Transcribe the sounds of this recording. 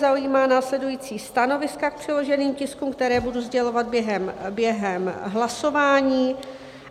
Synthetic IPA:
zaujiːmaːnaːslɛdujiːt͡siːst̪ano̞vɪskak̚pr̝̥ɪlo̞ʒɛniːmcɪskumkt̪ɛɾɛːbuduzɟɛlo̞vad̪̚bjɛɦɛmbjɛɦɛmɦlaso̞vaːɲiː

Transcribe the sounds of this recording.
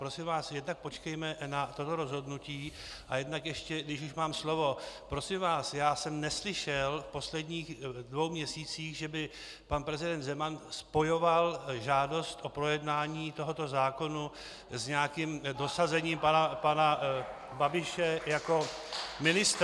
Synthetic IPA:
pɾo̞sɪmvaːsjɛdnak̚po̞t͡ʃkɛjmɛnat̪o̞t̪o̞ɾo̞zɦo̞dnuciː | ʔajɛdnakjɛʃcɛɡdɪʃ̬uʃmaːmslo̞vo̞pɾo̞sɪmvaːsjaːsɛmnɛslɪʃɛlfpo̞slɛdɲiːxdvo̞wmɲɛsiːt͡siːxʒɛbɪ | panpɾɛzɪdɛnd̪zɛmanspo̞jo̞valʒaːdo̞st̪ʔo̞pɾo̞jɛdnaːɲiːt̪o̞ɦo̞t̪o̞zaːko̞nu | zɲɛakɪmdo̞sazɛɲiːmpanapana | babɪʃɛjako̞ | mɪnɪst̪

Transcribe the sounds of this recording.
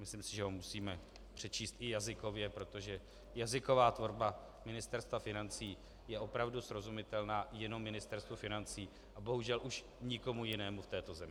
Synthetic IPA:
mɪslɪmsɪʒɛɦomusiːmɛ | pr̝̥ɛt͡ʃiːst̪ʔɪjazɪko̞vjɛpɾo̞t̪o̞ʒɛ | jazɪko̞vaːt̪vo̞ɾba | mɪnɪst̪ɛɾst̪vafɪnant͡siː | jɛʔo̞pɾavdusɾo̞zumɪt̪ɛlnaːjɛno̞mːɪnɪst̪ɛɾst̪vufɪnant͡siː | ʔabo̞ɦuʒɛlʔuʃ | ɲɪko̞mujɪnɛːmuft̪ɛːt̪o̞zɛmɪɪ

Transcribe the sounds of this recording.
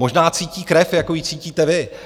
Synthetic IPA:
o̞ʒnaːt͡siːciːkɾɛfjakojit͡siːciːt̪ɛvɪ

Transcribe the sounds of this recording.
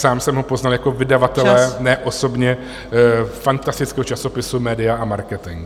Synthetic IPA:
saːmsɛmɦopo̞znaljako̞vɪdavat̪ɛlɛnɛʔo̞so̞bɲɛ | fant̪ast̪ɪt͡skɛːɦot͡ʃaso̞pɪsumɛːdɪaʔamaɾkɛt̪ɪŋk

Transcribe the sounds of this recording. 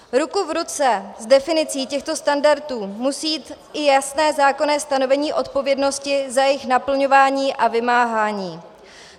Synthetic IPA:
ɾukuvɾut͡sɛzdɛfɪnɪt͡siːcɛxt̪o̞st̪andaɾt̪uːmusiːt̪ | ɪjasnɛːzaːko̞nɛːst̪ano̞vɛɲiːʔo̞t̪̚po̞vjɛdno̞scɪzajɪxnapl̩ɲo̞vaːɲiːʔavɪmaːɦaːɲiː

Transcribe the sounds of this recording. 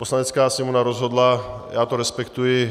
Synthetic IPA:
poslaɲɛt͡skaːsimonaɾozɦod̪la | jaːt̪oɾɛspɛkt̪ujɪ

